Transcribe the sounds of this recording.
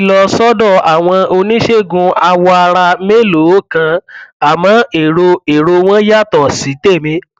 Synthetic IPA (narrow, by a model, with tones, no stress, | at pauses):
lɔ˧sɔ˦dɔ̃˦˨a˨w̃ɔ̃˧o˧nĩ˦ʃe˦˨ɡũ˧a˧wɔ˧a˧ɾa˧me˦lo˨˦kã˧a˨mã˨˦e˨ɾo˧e˨ɾo˧w̃ɔ̃˦ja˦˨tɔ˨si˨˦te˦˨mĩ˧˦